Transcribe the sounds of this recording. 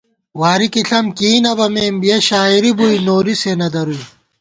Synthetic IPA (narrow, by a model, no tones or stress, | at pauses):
waːɾikiɬɐmkiːnɐbɐmeːmbijeɕaːiɾibuinoːɾisenɐd̪ɐɾui